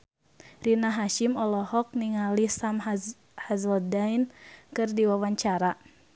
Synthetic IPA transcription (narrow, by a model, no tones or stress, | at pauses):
rinaɦaʃimɔlɔhɔk̚niŋalisam | hazɔdajnkɨrdiwawaɲt͡ʃaɾa